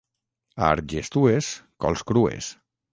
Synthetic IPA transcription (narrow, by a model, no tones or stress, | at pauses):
a̰ɾʒest̪ueskɔ̰lˠskɾuḛs